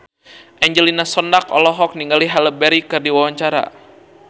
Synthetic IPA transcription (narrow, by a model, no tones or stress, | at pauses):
ʔɛɲd͡ʒəlinasɔndakɔ̰lɔɦɔk̚niŋɡaliɦaləbɛɾikɨrdiwawaɲt͡ʃaɾa̰